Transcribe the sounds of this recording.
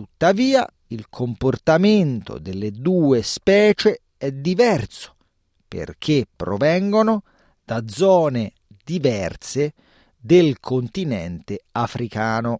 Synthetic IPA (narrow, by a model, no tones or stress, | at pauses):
ut̪ːaviːa̰ | ilkʰomport̪ament̪o̰d̪elːed̪uːespɛːt͡ʃe | ɛd̪ivɛrso̥ | pḛrk̟ʰepːɾo̰vɛŋɡono | d̪̥ad̪zːɔːne | d̪ivɛrt̪se | d̪elkʰont̪inɛnt̪eafɾʔikaːno